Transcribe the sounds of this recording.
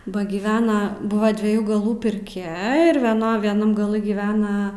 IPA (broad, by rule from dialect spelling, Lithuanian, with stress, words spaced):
ˈbɐ ɡʲɪˈʋʲæːnɐ ˈbʊʋɐ dʲʋʲiɛˈjuː ɡɐˈlˠuː pʲɪrʲˈkʲɛ ɪr ʋʲiɛˈnoː ʋʲiɛˈnɐm ɡɐˈlˠɨ ɡʲɪˈʋʲæːnɐ